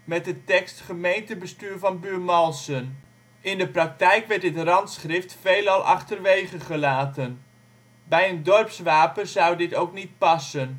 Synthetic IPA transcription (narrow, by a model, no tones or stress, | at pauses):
mɛt̚dətɛkstχəmejntəbəstyːɹvɑnbyːrmɑlˠsən | ʔɪndəprɑk̚tɛjkʋɛɹt̚dɪtrɑntsχrɪftfejlɑlˠʔɑ̰χtərʋejχəχəlaːtən | bɛjəndɔrpsʋaːpənzawdɪtowknit̚pɑsən